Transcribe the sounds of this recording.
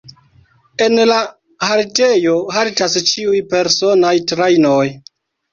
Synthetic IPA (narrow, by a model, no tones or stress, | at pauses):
e̞nla | haɾte̞jo̞ɦaltast͡ʃiujpe̞ɾso̞najtɾajno̞j